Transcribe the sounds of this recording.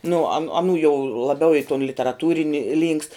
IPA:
nʊ ɐn ɐˈnuː jɛʊ lˠɐˈbʲɛʊ ɪ toːn lʲɪtʲɛrɐˈtuːrʲɪnʲɪ lʲiːŋkst

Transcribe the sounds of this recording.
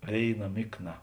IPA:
ˈʋʲeːɪˌnɐ ˈmʲɪkˌnɐ

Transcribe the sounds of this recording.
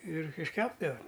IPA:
ɪr ɪʃʲˈkʲæːbdɐʋɐ

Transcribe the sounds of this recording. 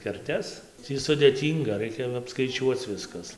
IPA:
kʲɛrʲˈtʲɛs ˈtʲiː sʊdʲeːˈtʲiːŋɡɐ ˈrɐɪkʲɛ ɐpskɐɪˈt͡ʃʲuɔt͡s ˈʋʲɪskɐs

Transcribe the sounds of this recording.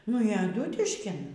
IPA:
nʊ iː ɐˈduːtʲɪʃʲkʲɪn

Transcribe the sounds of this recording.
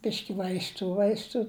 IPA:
ˈbʲɪʃʲkʲɪ ʋɐɪsˈtuː ˈʋɐɪstuː

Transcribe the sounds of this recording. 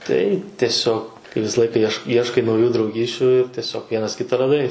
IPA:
tɐɪ tʲiɛˈsʲoːk kɐɪ ˈʋʲɪsɐ ˈlˠɐɪkɐ iɛʃ ˈiɛʃkɐɪ ˈiɛʃkɐɪ nɐʊˈjuː drɐʊˈɡʲiːsʲt͡ʃʲʊ tʲiɛˈsʲoːk ˈʋʲiɛnɐs ˈkʲɪtɐ rɐˈdɐɪ

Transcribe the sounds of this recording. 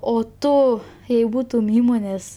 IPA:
oː ˈtʊ jɛɪ ˈbuːtʊm ˈiːmoːnʲeːs

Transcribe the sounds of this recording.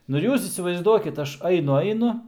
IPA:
ˈnʊ ɪr ˈjuːs iːsʲɪʋɐɪzˈduɔkʲɪt ˈɐʃ ˈɐɪnʊ ˈɐɪnʊ

